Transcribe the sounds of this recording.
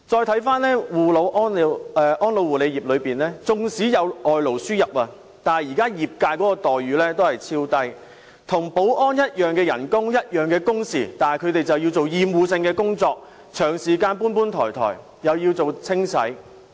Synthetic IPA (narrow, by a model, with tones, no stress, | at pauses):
t͡sɔː˧jt̪ʰɐ˨˥jfaː˥nlɛː˥wuː˨lo˨˧wʔɔː˥n˧ɛ˧ʔɔː˥nlo˨˧wuː˨˩le˨˧ji˨p̚lɵ˨˧ɥpiː˨nlɛː˥t͡sʊ˨ŋsiː˨˥jɐ˨˧wɔː˨jlo˨˩wsyː˥jɐ˨p̚aː˧ | t̪aː˨nɐ˨jiː˨kaː˥jiː˨p̚kaː˧jkɔː˨˥kɔː˧t̪ɔː˨jɥyː˨˧˥lɛː˥t̪o˥whɐ˨jt͡sʰiː˧˥wt̪ɐ˥j | t̪ʰʊ˨˩ŋpo˨˥wʔɔː˥njɐ˥t̚jœː˨˩ŋkɛː˧jɐ̰˨˩nkʊ˥ŋjɐ˥t̚jœː˨˩ŋkɛː˧kʊ˥ŋsiː˨t̪aː˨nɐ˨jkʰɵ˨˧ɥt̪e˨jt͡sɐ˨wji˧wt͡so˨wjiː˨mwuː˨˧sɪ˧ŋkɛː˧kʊ˥ŋt͡sɔː˧k̚ | t͡ʃʰœː˨˩ŋsiː˨kaː˧npuː˥npuː˥nt̪ʰɔ̰ː˨˩jt̪ʰɔ̰ː˨˩j | jɐ˨wjiː˧wt͡so˨wt͡sʰɪ˥ŋsʰɐ̰˨˥j